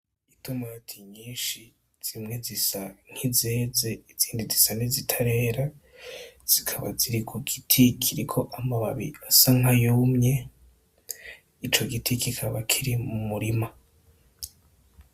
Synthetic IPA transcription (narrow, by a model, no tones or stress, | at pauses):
itumatʰiɲiːnʃi | z̥imŋe̞zisaŋ̥hizeːze̞iz̥iːndizisanizitʰaɾe̞ːɾa | z̥ikʰaβa̰ziɾikʰuɡitʰikʰiɾikʰo̞ʔamaβaβḭasaŋajoːmɲe̞ | it͡ʃo̞ɡitʰikikʰaβakʰiɾimumuɾima